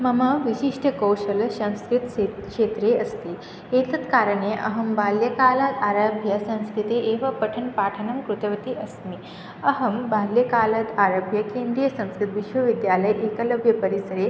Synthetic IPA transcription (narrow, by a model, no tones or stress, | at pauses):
mɐmaʋiɕiʂʈʰəkəwɕɐlsə̃w̃skɾit̪ekʂet̪ɾeɐst̪e | et̪ɐt̪kaɾəɳeʔɐ̰ɦəmbaljɐkalat̪aɾabʱjasə̃w̃skɾit̪eeʋapəʈʰənpaːʈʰənɐmkɾut̪ɐʋɐt̪iʔɐsmi | ɐɦəmbaːljɐkalat̪aɾabʱjakẽnd̪ɾijəsə̃w̃skɾit̪ʋiɕʋəʋid̪jaləjʔekɐləbʱjɐpəɾisəɾe